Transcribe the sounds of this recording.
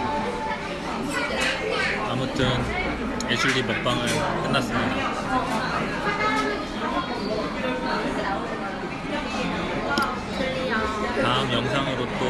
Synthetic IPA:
amutʰɯn | eɕʰuɾibʌk̚p͈aŋɯɭkɯndas͈ɯmɲida | t̪aɯmjʌŋsʰaŋɯɾot̪o

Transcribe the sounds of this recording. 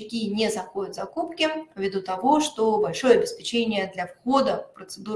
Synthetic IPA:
kʲinʲɛzaxodʲʊt̪zakupkʲivʲid̪ut̪avɔʂt̪ɔbalʲʂɔjɛɐbʲɪspʲɛt͡ɕenʲɪjəd̪lʲɐfxɔd̪ɐfpɾət̪sɨd̪u

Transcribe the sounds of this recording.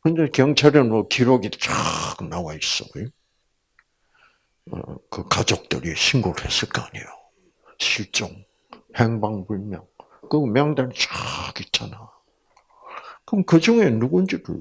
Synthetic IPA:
kɯnd͡ʑakjʌŋt͡ɕʰaɾjʌnʌkiɾoɡidt͡ɕaknawais͈ʌ̰ɡojo | kɯkad͡ʑok̚t͈ɯ̰ɾiɕʰinɡoɾhes͈ɯɭk͈aaɲḭjo | ɕʰiɭt͡ɕ͈oŋ | heŋbaŋbuɭmjʌŋ | kɯmjʌŋdanit͡ɕakit͡ɕ͈ʰana | kɯmkɯd͡ʑuŋe̞nuɡund͡ʑidṵ

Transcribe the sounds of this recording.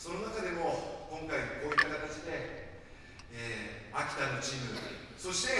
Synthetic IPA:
so̞no̞nakad̪e̞mo̞kõ̞ŋkaiko̞ːit̪ːakat̪at͡ɕid̪e̞ | eːakʲi̥t̪anot͡ɕimɯ̟ | so̞ɕi̥t̪e̞

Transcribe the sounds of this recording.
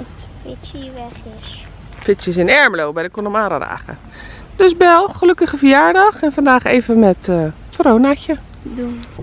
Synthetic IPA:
fɪsiʋɛxɪs | fɪsjəs̬ɪnɛɹməlowbɛjdəkonəmaːɾə̰da̰ːxə̰ | d̥øsbɛlˠxəløkəxəfəjaːɹdɔxɛnfandaːxḛːvəmɛtə | frownaçə | du

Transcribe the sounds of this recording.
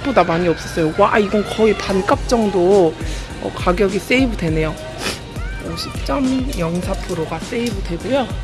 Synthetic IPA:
bodamaɲiʌp̚s͈ʌs͈ʌjowaiɡʌnkʌipank͈ap̚t͡ɕ͈ʌŋdo | ʌ̰kaɡjʌɡis͈e̞ibɯdwe̞ne̞jo | ʌɕʰip̚t͡ɕ͈ʌmjʌŋsʰapʰɯɾoɡas͈e̞ibɯdwe̞ɡojo

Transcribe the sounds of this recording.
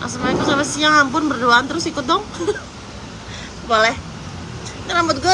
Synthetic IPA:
ʔa̰s̬əmaikusapɛsiaɦampʊnbərduaant̪əɾʊsikʊt̪̚d̪ɔŋ | bolɛh | t̪ənamʊt̪̚ɡɔ

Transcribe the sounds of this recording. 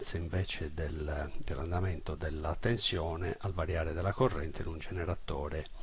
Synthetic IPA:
t̪seiɱvɛːt͡ʃed̪eld̪elːand̪ament̪od̪elːat̪ːensjɔːneʔʔalvaɾjaːɾed̪elːakorːɛnt̪ʰenund͡ʒeneɾat̪ːɔːɾe

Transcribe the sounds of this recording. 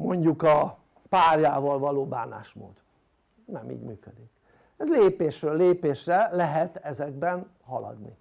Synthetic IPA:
mo̞ɲɟukɒ | paːrjaːvɒlvɒloːbaːna̰ːʃmo̰ːd̪ | nɛmḭːɟmyːkød̪ik | ɛzleːpeːʃrøːlːeːpeːʃrɛlɛɦɛt̪ɛzɛɡbɛn | hɒlɒ̰d̪nḭ

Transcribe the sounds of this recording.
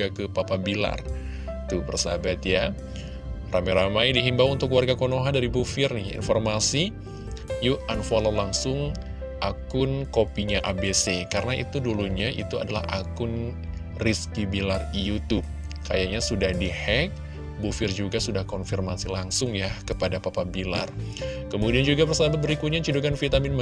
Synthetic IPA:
akəpapabila̰r | t̪ubərsa̰bat̪ja | ramajɾamajdiɦimbaunt̪ʊkwarɡakonoɦandaɾibufɪrnɪhjḭnfɔrmasi | juʔanfalalaŋsʊŋ | ʔakʊnkopiɲaʔabesekarənaʔḭt̪uduluɲaʔḭt̪ua̰dala̰hʔakʊn | riskibilarijut̪ʊp̚ | kajaɲasudahdihɛk̚ | bufɪrd͡ʒuɡasudahkɔnfirmasilaŋsʊŋjakəpadapapabila̰rkəmudiand͡ʒuɡapərsabat̪̚bəɾikut̪̚ɲat͡ʃudukanfit̪amɪnm

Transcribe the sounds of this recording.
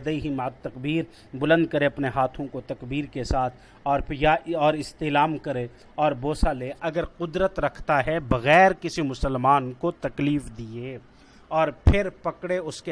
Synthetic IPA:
d̪əiɦimɐət̪ːɐkbiːɾ | bʊlə̃nd̪̚kɐɾeɐpneɦaːt̪ʰõkot̪ɐkbiːɾkesaːt̪ʰ | ɔːɾjaɔːɾɪst̪eːlaːmkɐɾe | ɔːɾboːsaleːʔɐɡəɾqʊd̪ɾət̪ɾɐkʰt̪aɦɛbɐɣɛːɾkɪsimʊsəlmaːnkot̪ɐkliːfd̪ieː | ɔːɾpʰɪɾpɐkɽeʊske

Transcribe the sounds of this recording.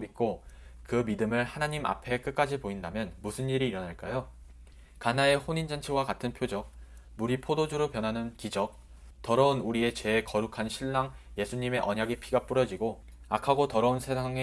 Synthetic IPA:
mit̚k͈okɯmidɯmɯɭhanaɲima̰pʰe̞k͈ɯk̚k͈ad͡ʑipoindamjʌnmusʰɯniɾiːɾʌnaɭk͈ajo | kanae̞hoɲind͡ʑʌnt͡ɕʰewakatʰɯnpʰjod͡ʑʌk̚ | muɾipʰodod͡ʑuɾopjʌnɦanɯnkid͡ʑʌk̚ | tʌɾʌunuɾie̞t͡ɕe̞kʌɾukʰanɕʰiɭːaŋje̞sʰuɲime̞ʔʌɲaɡipʰiɡap͈uɾʌd͡ʑiɡo | akʰaɡotʌɾʌunsʰe̞sʰaŋe

